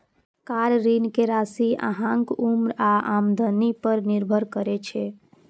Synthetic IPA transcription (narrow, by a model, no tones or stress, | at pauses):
kaɾɾinkeɾasia̰ɦãŋkumɾaamd̪ənipəɾniɾbʱəɾkəɾɛt͡ʃʰɛ